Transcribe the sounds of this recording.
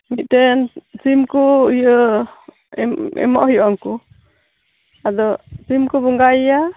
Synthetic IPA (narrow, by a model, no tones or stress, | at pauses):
mit̪̚t̪ɛnsimkuhijə | ɛ̰mɔ̰ʔhijɔŋku | ad̪ɔsimkubɔŋɡajja